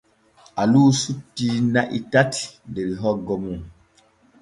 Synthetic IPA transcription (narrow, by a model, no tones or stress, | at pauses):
aluːsutːinaʔitati̥ndeɾiɦɔɡɔmu